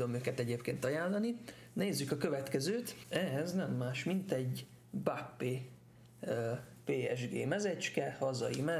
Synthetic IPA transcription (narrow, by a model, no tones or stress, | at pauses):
o̞møːkɛt̪ɛɟeːpkeːnt̪ɒjaːlːɒni | neːzːykɒkø̞vɛt̪kɛzøːt̪ɛɦɛznɛmːaːʃmint̪ɛɟ | bakpeː | peːɛ̰ʒɡḛːmɛzɛt͡ʃkɛhɒzɒ̰jimɛ